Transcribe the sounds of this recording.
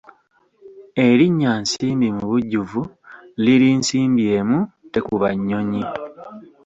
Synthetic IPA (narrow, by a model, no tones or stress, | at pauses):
e̞ɾiɲːansiːmbimuβuɟːuvu | liɾinsiːmbje̞ːmute̞kuβaɲːo̞ɲi